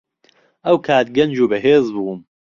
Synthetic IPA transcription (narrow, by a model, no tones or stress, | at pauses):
ʔɐwkʰaːt̪̚ɡɐnd͡ʒuːbɐɦeːzbuːm